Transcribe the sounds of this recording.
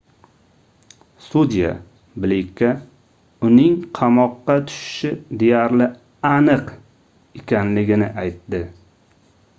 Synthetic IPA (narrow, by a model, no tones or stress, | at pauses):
sud̪ija̰ | blikʲʰːa | ʊnɪŋqʰɑmɒqːɑt̪ʰʊ̥ʃɪ̥ʃɪd̪e̞jaɾlɪ | anɨq | ekʲʰanlɪɡʲɪnɪ̰ʔajt̪ːɪ